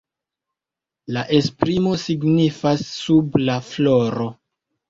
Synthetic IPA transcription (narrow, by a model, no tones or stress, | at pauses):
laʔe̞spɾimo̞siɡnifasːublafloɾo